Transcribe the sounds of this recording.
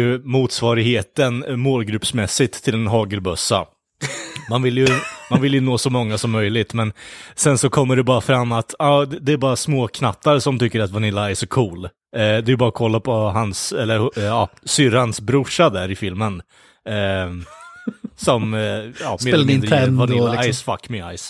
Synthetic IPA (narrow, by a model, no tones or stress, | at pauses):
jɵmuːt̪svɑːɾɪɡheːt̪ənmoːlɡɾɵpsmɛsːɪt̪ʰːɪlɛnɦɑːɡəɾbɵsːa̰ | manvɪljɵmanvɪljɵnoːsɔmɔŋːasɔmːœjlɪt̪mɛnsɛnsɔkʰɔmːəɖɛbɑːɾafɾamːat̪ɑːd̪ɛd̪ɛæɾbɑːɾasmoːkʰnat̪ːaɾsɔmt̪ʏkːəɾat̪vanɪlːaɛɾʂɔkʰuːl | d̪ɛɾjəbɑːɾakʰɔlːapʰɔɦansɛlːəɾɑːsʏɾansbɾʊʂad̪æɾɪfɪlmən | sɔmɑːmeelad̪nvanɪlaajsfakːmɪa̰js